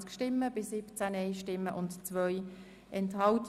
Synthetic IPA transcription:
t͡skʃtɪmːəbɪsɪpt͡sænɛɪʃtɪmːəʔʊntt͡svœʏ | ʔɛnthɑʊt

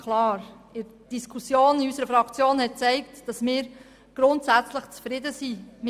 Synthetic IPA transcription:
kʰlɑːɾ | ɪɾ | d̥iskʰusjoːniysəɾəfɾɑkt͡sjoːnhɛt̚t͡sɛɪktd̥ɑsmɪːɾ | ɡ̥ɾʊntsæt͡slɪχt͡sfɾɪdəsim

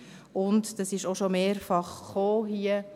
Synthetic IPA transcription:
ʊntd̥ɑsɪʃoʃomeːɾfɑχːoːɦiːə

